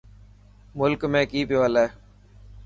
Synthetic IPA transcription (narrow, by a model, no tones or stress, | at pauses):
mʊlkmẽːkiːpiʋaːleː